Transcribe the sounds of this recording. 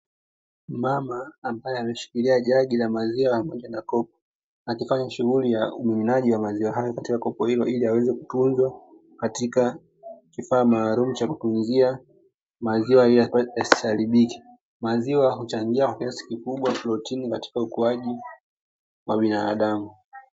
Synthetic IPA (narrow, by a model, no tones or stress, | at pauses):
mamaːmbajɛamɛʃi̥kiliaʄaɠilamaziwapamɔʄanakɔp̚ɔ̥ | akifaɲaʃuɣulijaumiminaʄiwamaziwaɦajɔkatikakɔpɔhilɔʔiliawɛzɛku̥tunzwa | katika | kifaːmaːlumut͡ʃakutunzia | maziwaijasi̥saliɓiki̥ | maziwaɦut͡ʃaŋɡiakwakiasi̥kikuɓwaflɔtʰinikati̥kaukuaʄi | waɓinaːɗamu